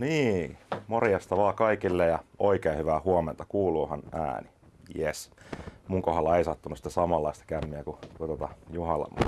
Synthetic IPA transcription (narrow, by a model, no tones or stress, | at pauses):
niːmorjɑst̪ɑʋɑːkɑikilːejɑoikeːhyʋæhuoment̪ɑkuːluːhɑnæ̰ːni | jesmuŋkohɑlːɑeisɑt̪ːunusi̥t̪ːsɑmɑlːɑist̪ɑ̥kæmːiækukut̪ot̪ɑjuhɑlːˑɑ̰mːṵ